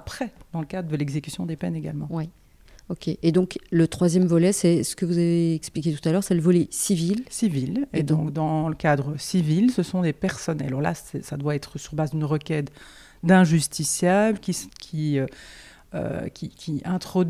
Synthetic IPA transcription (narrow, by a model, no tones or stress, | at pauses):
apχɛd̪ɑ̃ləkad̪ʁəd̪əlɛɡzekʲy̥sjɔ̃d̪epɛneɡa̰lmɑ̃wi | okʲeʔed̪ɔ̃klət̪χwazjɛmvɔlɛsɛsə̥kəvuzaveːksplikʲet̪u̥t̪alœːʁsɛləvɔlɛsivilsiviled̪ɔ̃kd̪ɑ̃ləkad̪ʁəsivilsəsɔ̃d̪epɛʁsɔnɛa̰lɔʁla̰sɛsad̪waɛt̪χəsyʁbazd̪ynʁəkʲɛt̪ | d̪ɛ̃ʒyst̪isjabləkʲikʲʰiø | ø̰kʲʰikʲiɛ̃t̪χɔd̪